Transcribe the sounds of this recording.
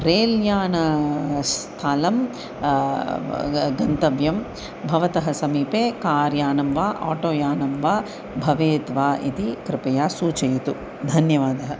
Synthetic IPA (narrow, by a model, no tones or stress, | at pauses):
ɾeːljaːnɐst̪ʰaːlɐm | ɡɐnt̪ɐʋjɐm | bʱɐʋɐt̪ɐɦɐsɐmiːpeːkaːɾjaːnɐmʋaːʔa̰ːʈoːjaːnɐmʋaː | bʱɐʋeːt̪ʋaːʔit̪ikɾɪpɐjaːsuːt͡ʃɐjɐt̪u | d̪ʱɐnjɐʋaːd̪ɐɦɐ